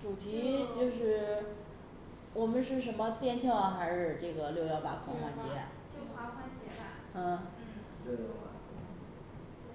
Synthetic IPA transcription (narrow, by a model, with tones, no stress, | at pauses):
ʈ͡ʂu˨˩t̪ʰi˧˥t͡ɕjo˥˧ʊʂɻ̩˥˩ | wɔ˨˩mə˦nʂɻ̩˥˩ʂə˧˥nmə˧t̪jɛ˥˧nt͡ɕʰi˥ŋwa˧˥xa˧˥ʂɻ̩˥˩ʈ͡ʂɤ˥˩ɡə˩ljo˥˧ʊjɑ˥˩ʊpa̰˨˩kʰwɑ˥xwa˥˩nt͡ɕjɛ˧˥ | t͡ɕo˥˩xwa˧˥xwa˥nt͡ɕɛ˧˥ba˧˩ | ə˥˩˥